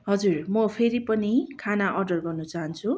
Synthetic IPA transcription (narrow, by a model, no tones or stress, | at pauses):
ɦʌd͡zurmʌpʰeɾipʌnikʰanaʔʌrɖʌrɡʌrnʌt͡saɦʌnt͡sʰu